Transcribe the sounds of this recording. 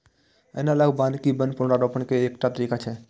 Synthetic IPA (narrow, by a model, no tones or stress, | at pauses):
ə̰ːnaləɡbaːnkibənpʊnɽɾaɾoːpəɳkeːkʈat̪əɾiːkat͡ʃʰɛ